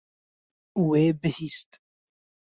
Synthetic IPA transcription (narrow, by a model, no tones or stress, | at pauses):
weːbɨhiːst̪